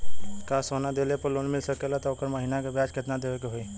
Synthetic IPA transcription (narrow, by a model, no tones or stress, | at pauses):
kasonad̪elepəɾlonmilsəkelat̪ɔokəɾməɦinakebad͡ʒket̪nad̪eʋekeɦoi